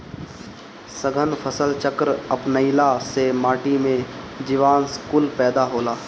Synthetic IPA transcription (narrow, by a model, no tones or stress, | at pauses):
səɡʱənpʰəsəlt͡ʃəkɾəpnəɪlasemaːʈimẽ | d͡ʒiʋaːnskuːlpɛːd̪aɦoːlaː